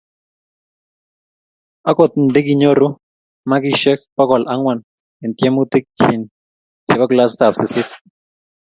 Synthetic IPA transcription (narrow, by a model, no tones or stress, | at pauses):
akʷot̪̚nd̪ik̬iɲoɾu | makiʃekpakwalʔaŋwan | ent̪jemut̪ikʰːin | keβaklast̪aopsesif